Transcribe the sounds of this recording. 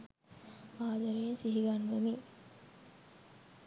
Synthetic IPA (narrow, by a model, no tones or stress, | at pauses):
aːd̪aɾeensiɦiɡanːemi